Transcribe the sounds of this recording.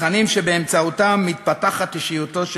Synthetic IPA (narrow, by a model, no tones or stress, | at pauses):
animʃebeːmt͡saut̪amːit̪̚pat̪aχat̪iʃijut̪o̞ʃ